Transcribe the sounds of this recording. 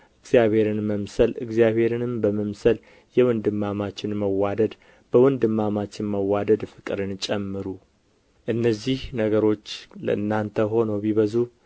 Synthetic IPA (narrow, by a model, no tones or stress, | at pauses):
ʔɨɡzjaβhe̞ɾɨnməmsəlɨ̰ɡzijaβhe̞ɾɨnɨmbəməmsəl | jɛwɔnd̪ɨmːamat͡ʃːɪnməwad̪əd̪ | b̥əwɔnd̪ɨmːamat͡ʃːɪnməwad̪əd̪fɨkʼɨɾɨnt͡ʃʼɛmːɨɾu | ʔɨnːəzːihnəɡəɾo̞t͡ʃːlə̰ʔɨnːant̪ʰəɦo̞nəwbiβəzu